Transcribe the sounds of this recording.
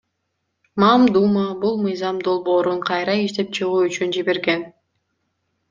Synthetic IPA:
mɑmd̪umɑbulˠmɯjzɑmd̪o̞lˠbo̞ːɾuɴqʰɑjɾɑiʃt̪e̞p̚t͡ʃʰɯʁuːyt͡ʃynd͡ʒiβe̞ɾɡe̞n

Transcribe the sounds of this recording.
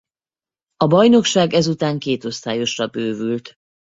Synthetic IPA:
ɒbɒjno̞kʃaːɡɛzut̪aːŋkeːt̪o̞st̪aːjo̞ʃrɒbøːvylt̪

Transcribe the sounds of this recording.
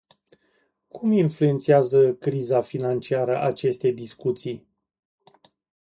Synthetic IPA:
kʰuminflue̞nt̪siazəkɾizafinant͡ʃiaɾəʔat͡ʃe̞st̪e̞d̪iskut̪sij

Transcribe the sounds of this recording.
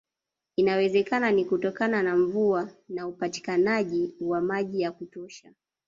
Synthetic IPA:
inawɛzɛkananikutɔkananaɱvuanaupati̥kanaʄiwamaʄijakutɔʃa

